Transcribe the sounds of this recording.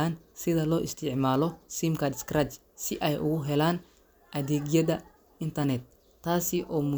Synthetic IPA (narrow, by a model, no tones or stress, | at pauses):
aːnsɪðɐlɔːʔɪst̪ʰɪʕmaːlɔsimkʰɐd̪skrɐt͡ʃ | sɪʔɛjʔʊɣʊɦɛlaːn | ʔɐðiːɣjɐðɐ | ɪnt̪ʰɐnɛt̪̚ | t̪ʰːaːsɪʔɔːmʊ